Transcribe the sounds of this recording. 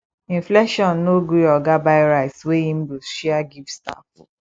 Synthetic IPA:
ĩɱflɛʃɔ̃nːoɡɾiɔɡabaɪɾaɪtsweĩm̩boʃiaɡivsta̰f

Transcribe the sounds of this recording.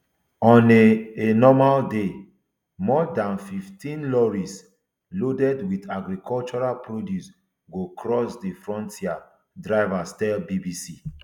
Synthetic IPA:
ɔ̃neenɔmalde | mɔdãnfiftʰĩnlɔɹis | lodɛdwitaɡɾikʰɔlt͡ʃɔɹalpʰɹodjus | ɡokɹɔsdefɹɔ̃ntʰia | dɹaɪvastɛlbibisi

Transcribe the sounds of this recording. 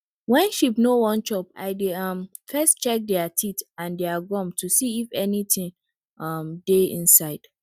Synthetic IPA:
wɛ̃nʃipnowɔ̃nt͡ʃɔpa̰ɪdeʌm | fɛstt͡ʃɛk̚dɛatʰitãndɛaɡɔ̃mtʰusiifɛnitʰĩŋ | ʌmdeḭ̃nsaɪd̥

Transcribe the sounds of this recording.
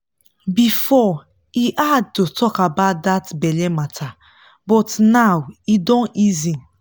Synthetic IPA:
bifɔ | iʔad̚totʰɔkabat̚datbɛlɛmatʰa | bɔtnawidɔ̃nizi

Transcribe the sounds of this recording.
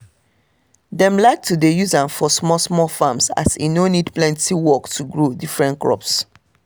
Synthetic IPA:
dɛ̃mlaɪk̚tudejuzãnfɔsmɔsmɔfamsa̰sḭnonidplɛ̃ntiwɔktʰuɡɹodifɹɛ̃ntkɹɔ̰ps

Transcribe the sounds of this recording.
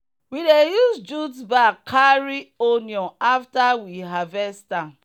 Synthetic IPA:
widejusd͡ʒudbakʰːaɹioniɔ̃aftawiɦavɛstãn

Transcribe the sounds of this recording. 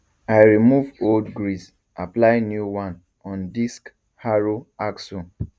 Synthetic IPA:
aɪɹimuvoldɡɹis | aplaɪnjuwãn | ɔ̃ndisk | haɹoaksɔ̃

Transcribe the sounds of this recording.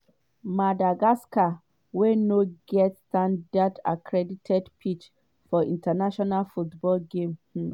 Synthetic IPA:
madaɡaska | wenoɡɛtstãndada̰kʰɹɛditʰɛdpʰit͡ʃ | fɔĩntanaʃɔnalfutbɔlɡẽm̩

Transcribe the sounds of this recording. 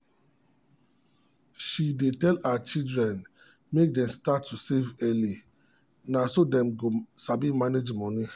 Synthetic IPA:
ʃidetɛlaat͡ʃildɹɛ̃n | mek̚dɛ̃mstatʰːusevɛli | nasodɛ̃mɡosabimaned͡ʒmɔni

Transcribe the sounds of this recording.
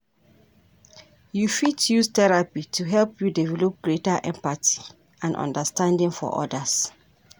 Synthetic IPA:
jufitjustɛɹapitʰuɦɛlpjudɛvɛlɔp̚ɡ̥ɹetaʔɛ̃mpati̥ | ãnʔɔ̰̃ndəstãndĩŋfɔ̰ʔɔ̰das

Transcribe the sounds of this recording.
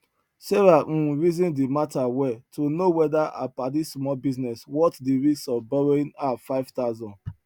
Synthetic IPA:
sɛɹãɹizɔ̃ndematawɛtʰonowɛdaʔa̰padismɔlbiznɛswɔtdiɹissɔvbɛɹoĩnafaɪv̥taʊzɔ̃nd

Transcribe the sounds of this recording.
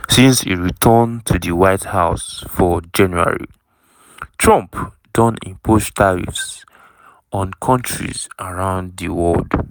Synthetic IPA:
sĩnshḭɹitʰɔntʰuðiwaɪthaʊsfɔd͡ʒãnjua̰ɹḭ | tʰɹɔ̃mp | dɔ̃nḭ̃mpʰostʰaɹḭfs | ɔ̃nkʰɔ̃ntʰɹḭzaɹãʊ̃ndðiwɔld

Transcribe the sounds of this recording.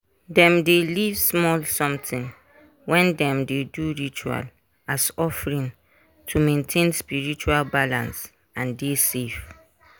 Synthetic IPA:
dɛ̃mdelivsmɔlsɔ̃mtʰĩn | wɛ̃ndɛ̃mdeduɹit͡ʃua̰l | asɔfɹĩn | tʰumẽntʰẽnspiɹit͡ʃualbalãns | ãndesef

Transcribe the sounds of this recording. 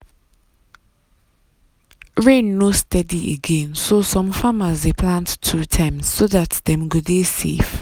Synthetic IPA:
ɹẽnːostɛdiʔḛɡẽnsosɔ̃mfamazdepʰlãntʰːutʰãɪ̃mz̥soðatdɛ̃mɡɔdesḛf

